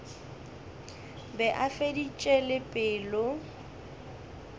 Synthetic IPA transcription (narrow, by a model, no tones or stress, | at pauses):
bɛʔafedit͡ʃʼɛlɪpʼɪːlʊ